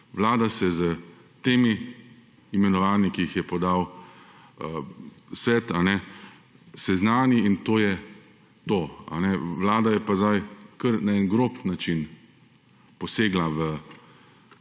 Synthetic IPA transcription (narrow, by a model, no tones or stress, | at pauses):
ʋlaːd̪asɛzə | t̪eːmiː | mɛnɔʋaːnikiixjɛpɔd̪aw | əsʋɛːt̪anɛ | sɛznaːniint̪oːjɛ | t̪oːa̰nɛʋlaːd̪ajɛpazd̪ajkəɾnaɛnɡɾoːpnat͡ʃin | pɔseːɡlaʋə